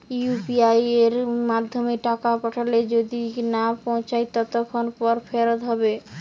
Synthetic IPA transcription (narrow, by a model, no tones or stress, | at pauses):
upiajeɾmad̪ʱːomeʈakapɔʈʰaled͡ʒod̪inapɔ̃w̃t͡ɕajt̪ɔt̪ɔkʰonpɔɾpʰeɾot̪ɦɔbe